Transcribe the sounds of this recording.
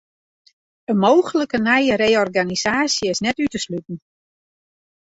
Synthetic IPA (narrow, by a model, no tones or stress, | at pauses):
əmoːxələkənɛjəɾeːɔrɡanisaːsjəɪsnɛtytəslytn̩